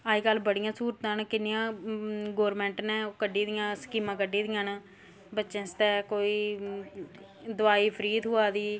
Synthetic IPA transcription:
aːiːkəlːbəɽɪjãːsuːɾt̪ãːnkɪnːɪjãːɡoːɾmɛ̃ːɳʈnɛːokəɖiːd̪ɪjãːskiːmãːkəɖiːd̪ɪjãːnː | bətːʃẽːst̪ɛːkoːiː | d̪ʊaːiːpʰəɾiːd̪ɦʊaːd̪iː

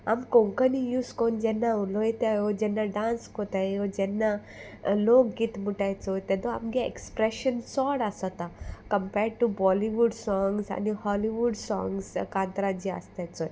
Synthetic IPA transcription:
a̰mkõŋkənijuskond͡ʒɛnːauloet̪ejod͡ʑɛnːaɖãnskot̪aod͡ʑɛnːa | lokɡit̪muʈajt͡sɔt̪ɛd̪oa̰mɡaḛkspɾɛʃənsɔɽasɔt̪akəmpɛɾɖ̚ʈubɔliʋuɖsɔŋɡsa̰nihɔliʋuɖsɔ̰̃ŋɡskant̪ɾad͡ʑia̰st̪ajt͡sɔj

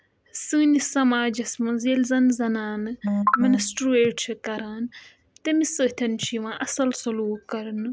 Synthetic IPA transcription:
sɨːnisɐmaːd͡ʒɐsmɐ̃nzilzɐnzɐnaːnɨmɐnɐsʈɾueːʈt͡ʃʰikɐɾaːn | t̪emisɨt̪ʰɐnt͡ʃʰiʋãːʔɐsɐlsɐluːkːɐɾɐnɨ

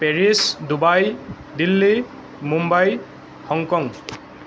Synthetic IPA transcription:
peɹisdubaj | dilːi | mumbaj | hɔŋkɔŋ

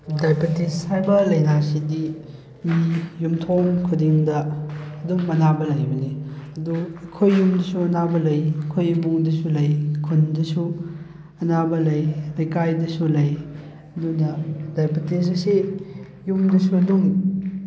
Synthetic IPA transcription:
dajpɐteshajbɐlɐjnasidi | mijumtʰomkʰudiŋdɐːdumːɐnabɐlɐjbɐniɐdukʰojːumdɐsuɐnabɐlɐjkʰojːubuŋdɐsulɐjkʰundɐsu | ɐnabɐlɐjɾɐjkajdɐsulɐj | ɐdunɐdajpɐtes̬ɐse | jumdɐsuɐdum

